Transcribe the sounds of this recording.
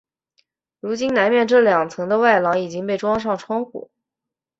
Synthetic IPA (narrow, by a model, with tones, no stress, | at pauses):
ɻu˧˥t͡ɕi˥nna˧˥nmjɛ˥˧nʈ͡ʂɤ˥˩ljɑ˨˩ŋt͡sʰɤ˧˥ŋd̪ə˧wa˥˩ɪlɑ˧˥ŋi˨˩t͡ɕi˥ŋpe˥˩ɪʈ͡ʂwɑ˥ŋʂ̬ɑ˥˩ŋʈ͡ʂʰwɑ˥ŋxṵ˨˩˦